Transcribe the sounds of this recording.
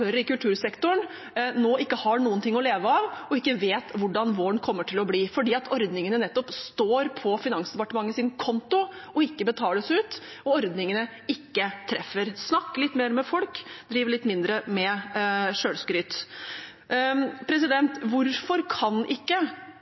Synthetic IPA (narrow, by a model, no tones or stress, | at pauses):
œɾɪkʉlt̪ʰʉːɾsɛkt̪ʊɳ | noːɪkːəhɑɳuːənt̪ʰɪŋːɔleːʋəɑːʋɔɪkːəʋeːt̪ʋʊɖɑnʋoːɳkʰɔmːəʈʰɪlɔbliːfɔɖiːɑt̪ʰɔɾd̪nɪŋənənɛt̪ːɔpst̪oːɾpʰɔfɪnɑŋsd̪ɛpɑʈəmɑŋːəsɪnkʰɔnt̪ʊɔɪkːəbət̪ʰɑːləsʉːt̪ | ɔɔɾd̪nɪŋənə | ɪkːət̪ʰɾɛfːəɾsnɑkːlɪt̪ːmeːɾmɛfɔlkd̪ɾiːʋəɭɪt̪ːmɪnd̪ɾəmɛʂøːlskɾyːt̪ | pʰɾɛsɪd̪ɛnt̪ʋʊɾfɔɾkʰɑnʔɪkːə